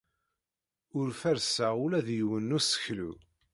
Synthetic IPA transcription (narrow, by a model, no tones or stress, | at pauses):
ʊɾfæɾsaulæðjwənːusə̥çlṵ